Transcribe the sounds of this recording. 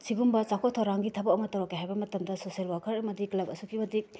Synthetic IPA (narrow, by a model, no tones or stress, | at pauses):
siɡumbɐt͡ʃakʰotʰɐwɾaŋɡitʰɐbɐɐmɐtɐɾokːeɦajbɐmɐtɐmdɐsosielwakʰɐɾɐmɐdiklɐbɐsukʰibɐdik̚